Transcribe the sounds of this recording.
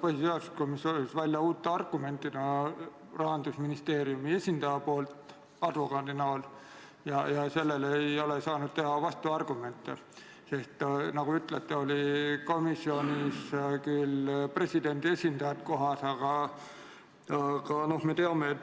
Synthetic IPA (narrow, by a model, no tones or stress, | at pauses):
pɑhiseost̪komisoleksvælʲjɑuːt̪ːˑeɑrɡ̥ume̞nt̪ːˑid̪ɑ | rɑɦɑnd̪̥usminist̪e̞ːɾiumie̞sʲind̪ɑjɑpo̞ːlt̪ | ɑd̪vo̞kɑd̪inɑːl | jɑjɑse̞lːe̞lejo̞lesɑːnud̪̥̚t̪e̞ɦɑvɑst̪uɑrɡ̥ume̞nt̪ˑːḛ | sest̪nɑɡ̥uyt̪ˑlet̪ːeo̞lʲiko̞misːio̞nʲiskylpre̞sʲid̪̥e̞nd̪ie̞sʲind̪ɑjɑt̪ko̞ɦɑsɑɡ̥ɑ | ɑɡ̥ɑno̞hme̞t̪eɑmeːt̪